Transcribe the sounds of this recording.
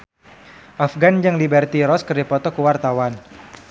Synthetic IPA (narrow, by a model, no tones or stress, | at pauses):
ʔafɡand͡ʒɨŋlibɛrt̪iɾɔskərdipɔt̪ɔkuwart̪awan